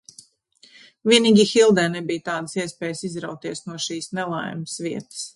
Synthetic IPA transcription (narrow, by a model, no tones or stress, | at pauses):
vʲiɛniːɡʲiːxilˠd̪ɛːnɛbijt̪aːd̪əsiɛspɛːjsizɾawk̚t̪iɛsnuɔʃiːsnɛlˠa̰jməsʋiɛt̪ə̥s